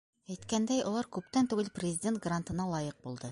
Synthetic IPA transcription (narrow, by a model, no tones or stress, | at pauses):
æjt̪kænd̪æjŏlˠɑɾkʉpt̪ænt̪ʉɡɘlprʲɪzʲɪdʲe̞nt̪̚ɡrant̪ɤ̆nɑlˠɑjɤq̚bulˠd̪ɤ